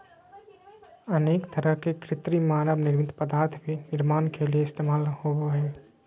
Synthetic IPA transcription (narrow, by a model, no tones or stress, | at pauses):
əneːkt̪əɾəɦkekɾɪt̪ɾimaːɾəbnɪɾmɪt̪pəd̪aːɾt̪ʰbʱinɪɾmaːnkelijeɪst̪eːmaːlhobae